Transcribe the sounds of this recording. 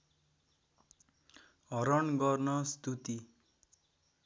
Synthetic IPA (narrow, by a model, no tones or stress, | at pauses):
ɦʌɾʌnɡʌrnʌst̪ut̪i